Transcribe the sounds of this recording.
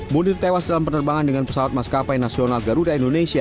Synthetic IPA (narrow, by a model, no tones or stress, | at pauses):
munɪrt̪ewasdalampənərbaŋandəŋanpə̥sawat̪̚maskapajnasionalɡaɾudaindonesia